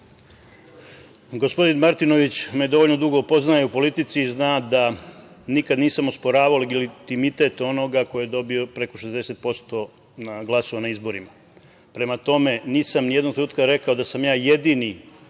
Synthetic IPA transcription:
ɡospo̞d̪inmaɾt̪ino̞ʋit͡ɕmed̪o̞ʋoʎno̞d̪uɡo̞upo̞znajeupo̞lit̪it̪siːznad̪a | nikad̪niːsamospo̞ɾaːʋaoleɡilit̪imit̪e̞t̪o̞no̞ɡakojed̪o̞bio̞pɾe̞ko̞ʃezd̪e̞se̞t̪̚po̞st̪o̞ | naɡlˠaso̞ʋanaizbo̞ɾima | pɾe̞mat̪o̞me̞niːsamnijed̪noɡt̪ɾnuːt̪kaɾe̞kao̞d̪asamjaːje̞d̪ini

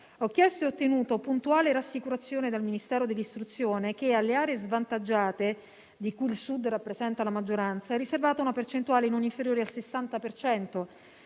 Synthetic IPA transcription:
ɔkːjɛst̪oeot̪ːenuːt̪opunt̪uaːleɾasːikuɾat̪sːjoːned̪elminist̪ɛːɾod̪elːist̪ɾut̪sːjoːnek̟ealːeaːɾeezvant̪ad͡ʒːaːt̪e | d̪ikuilsud̪rapːɾezɛnt̪alamad͡ʒːoɾant̪saɛrːiservaːt̪aunapert͡ʃent̪uaːlenoniɱfeɾjoːɾealsesːant̪apert͡ʃɛnt̪o

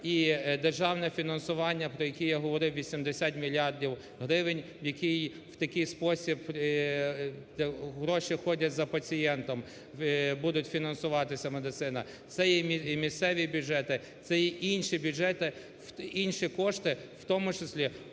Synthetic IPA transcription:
id̪erʒɑwnɛfʲinɐnsʊʋɑnʲːɐpɾɔjɐkʲijaɦɔʋɔɾɪwʋʲisʲimd̪esʲat̪ʲmʲilʲːɑrdʲiw | ɦɾɪʋɪnʲ | jɐkʲij | w̥t̪ɐkʲɪjspɔsʲib | ɦɾɔʃixɔdʲɐtʲzɐpɐt͡sʲijɛnt̪ɔm | bud̪ʊtʲfʲinɐnsʊʋɑt̪ɪsʲɐmed̪ɪt̪ɪnɐ | t̪sɛjɛmʲimʲist̪sɛʋʲibʲʊʒɛt̪ɪ | t̪sɛjiʔinʲʃibʲʊdʒɛt̪ɪ | inʲʃikɔʃt̪ɪwt̪ɔmʊt͡ʃɪsʲlʲi

